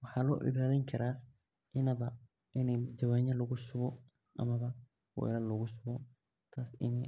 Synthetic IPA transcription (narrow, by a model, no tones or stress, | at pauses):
wɑħɑːlɔ̰ːʔɪ̰βaːðɐŋkʰɐɾaː | ʔɪnɐβɐ | ʔɪnɛd͡ʒɐwaːɲɐlɐɣʊsʊβɔ | ʔɐ̰mɐβɐ | wɛ̰jlɐlɐɣʊsʊβɔ | t̪ʰaːsɪ̰nɛj